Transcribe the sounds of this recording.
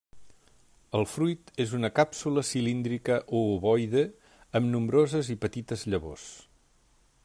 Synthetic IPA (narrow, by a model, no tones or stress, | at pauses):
əlˠfɾujt̪ezunəkapsuləsilind̪ɾikəʔoːβɔjðə | əmnumbɾozəzipət̪it̪əzʎəβo̰s